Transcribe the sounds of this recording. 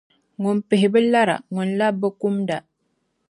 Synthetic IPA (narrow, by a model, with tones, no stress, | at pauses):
ŋɔ˨mpe˨ɦi˨bə˦la˦ɾa̰˨ŋɔ˨nla˦bːə˦ku˦mda˨